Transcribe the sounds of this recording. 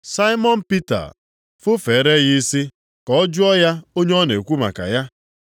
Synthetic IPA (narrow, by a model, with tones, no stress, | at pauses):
sa˦ɪ˦mɔ˦n̩˦pi˦ta̰˨ | fʊ˦feː˨ɾe˦ɣi˦si˦ | kɔ˦d͡ʒʊ˦ɔ˦ja˦o˦ɲe˦ɔ˦ne˨kʷu˦ma̰˨ka̰˨ja˦